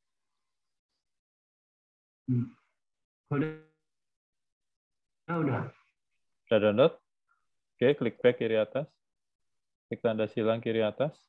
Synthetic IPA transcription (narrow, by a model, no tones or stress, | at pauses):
kod | auna | ɾadandɔt̪̚ | keklɪk̚pɛkiɾiat̪as | klik̚t̪andasilaŋkiɾiat̪as